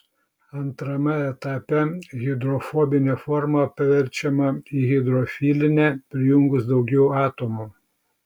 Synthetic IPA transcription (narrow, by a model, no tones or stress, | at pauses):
ɐnt̪ɾɐmɐɛt̪ɑːpʲɛɣʲɪd̪ɾɔfɔbʲɪnʲeːfɔɾmɐpʲɐʋʲɛɾʲt͡ʃʲɛmɐiːɣʲɪd̪ɾɔfʲiːlʲɪnʲɛpʲɾʲɪjʊŋɡʊsd̪ɒʊɡʲɛʊɑːt̪oːmu